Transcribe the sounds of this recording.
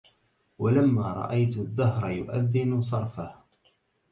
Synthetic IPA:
walamːaːɾˤɑ̰ʔajt̪ðːɑhɾˤɑjʊʔaðːɪnsˤɑɾˤfah

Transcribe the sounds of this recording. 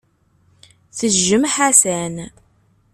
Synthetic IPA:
θəʒːəmħasæn

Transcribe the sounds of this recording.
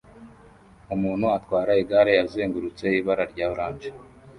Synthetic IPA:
umuːnhuatkwaːɾaiɡaɾejaze̞ːŋɡuɾut͡se̞iβaɾaɾɟaːβuɾaːnd͡ʒe

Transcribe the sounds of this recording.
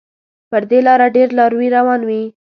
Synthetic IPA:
pəɾd̪elɑɾaɖeɾlɑɾwiɾawɑnwi

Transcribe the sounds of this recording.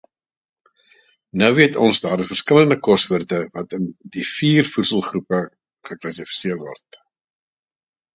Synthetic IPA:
nœwviətʰɔnsdɑːɾəfərskələndəkɔstvərtəvɐtəndifiːrfutsəlˠχrupə | χəklɐsifi̥siərvɔ̰rt

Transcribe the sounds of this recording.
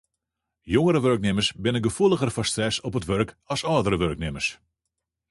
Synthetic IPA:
joŋəɾəʋøɹknɪməsbɪnənɡəfulˠəɣərfɔstrɛsɔpətʋørk | ɑsɔːdəɾəʋøɹknɪmərs

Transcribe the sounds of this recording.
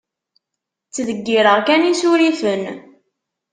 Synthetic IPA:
t͡sːðəɡːiɾəʁkænisuɾiθən

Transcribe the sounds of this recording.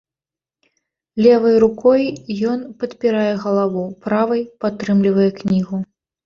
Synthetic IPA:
lʲɛvɐjɾukɔjjɔnpɐt̪pʲiɾajɛɣɐlˠavupɾavɐjpat̪ːɾɨmlʲivɐjɛknʲiɣu

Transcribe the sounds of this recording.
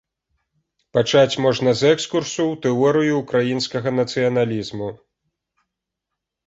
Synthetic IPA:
pat͡ʂat͡sʲmɔʐnɐzɛkskursuwt̪ɛɔɾɨjuːkɾajinskɐɣɐnɐt̪sɨjɐnalʲizmu

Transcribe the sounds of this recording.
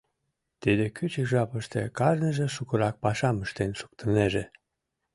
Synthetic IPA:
t̪id̪ekyt͡ɕəkʒɑpəʃt̪ḛkɑʒnəʒĕʃukəɾɑk̚pɑʃɑməʃt̪enʃu̥k̚t̪əneʒe

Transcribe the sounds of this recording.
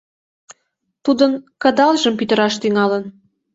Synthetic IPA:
t̪ud̪ə̆nkə̆d̪ɑlʒə̆mpyt̪ə̆ɾɑʃt̪yŋɑlən

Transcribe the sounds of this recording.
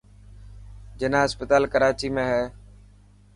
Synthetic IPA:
d͡ʒənãːəspət̪aːlkəɾaːt͡ʃiːmẽːɦɛː

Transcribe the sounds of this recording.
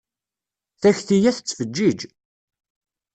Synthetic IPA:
θæçθijæθət͡sːfəd͡ʒːid͡ʒ

